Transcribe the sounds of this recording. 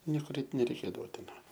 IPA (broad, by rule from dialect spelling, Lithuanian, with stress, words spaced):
ˈnʲiɛkʊr ˈɛɪt nʲɛrʲɛɪˈkʲeːdɐʋoː ˈtɐɪ ˈʋɐ